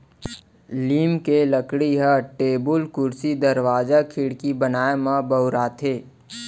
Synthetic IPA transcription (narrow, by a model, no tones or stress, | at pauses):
liːmkeləkɽiɦəʈeːbʊlkʊɾsid̪əɾwaːd͡ʒakʰɪɽkibənaːemãbəʊɾaːt̪ʰeː